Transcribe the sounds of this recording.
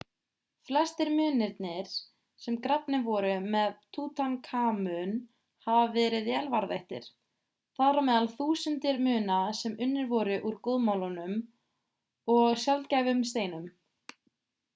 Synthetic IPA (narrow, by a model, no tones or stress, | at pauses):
flɛst̪ɪɾmʏːnɪɾt̪nɪɾ̥ | sɛmkɾapnɪvɔɾʏmɛðt̪ʰuːt̪ʰankʰaːmʏn | havavɛːɾɪðjɛlvaɾðḛht̪ɪ̰ɾ̥ | θaðɾawmɛːðalθuːsʏnt̪ɪɾmʏːnasɛmʏnːɪɾvɔɾʏʔuɾkoðmawlɔnʏm | ɔɣsjalt̪cajvʏmst̪eːjnʏm